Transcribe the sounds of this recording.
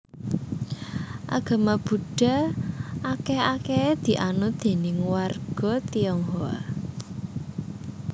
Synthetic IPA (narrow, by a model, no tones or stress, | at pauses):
ʔa̰ɡ̥a̤mab̥ṳɖ̥a̤akeaked̪̥i̤ʔanʊd̪̥e̤nɪŋwarɡ̥ɔ̤t̪iɔŋɦɔa̰